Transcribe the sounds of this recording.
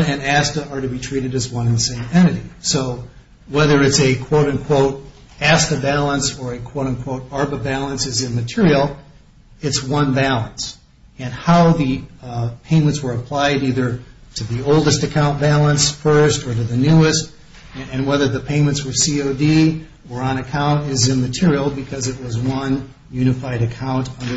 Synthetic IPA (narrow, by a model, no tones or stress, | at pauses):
ɨ̃næstɨə˞ɾɨbitʰɹ̥iɾɨɾɨzwʌ̃nɨ̃nsẽɪ̃mɛɾ̃ɨɾisoʊ | wɛðə˞ɨtsɨkʰw̥oʊɾɨ̃nkʰw̥oʊɾ | æstɨbælˠə̃nsə˞ɨkʰw̥oʊɾɨ̃nkʰw̥oʊɾɑɹbəbælˠə̃nsɨzɨ̃nmɨtʰɪɹil̩ˠ | ɨtswʌ̃nbælˠə̃ns | ɨ̃nhaʊðɨpʰẽɪ̃mɨ̃ntswə˞ɨpʰl̥aɪɾiðə˞ɾɨðioʊlˠdɨstɨkʰãʊ̃nb̥ælˠə̃nsfɜ˞stə˞ɾɨðɨnʉɨst | ɨ̃nwɛðə˞ðɨpʰẽɪ̃mɨ̃ntswə˞sioʊdi | ə˞ə̃ñɨkʰãʊ̃ntɪzɨ̃nmɨtʰɪɹil̩ˠbɨkʰʌzɨt̚wʌzwʌ̃n | jʉñɨfaɪɾɨkʰãʊ̃ntʌ̃ndə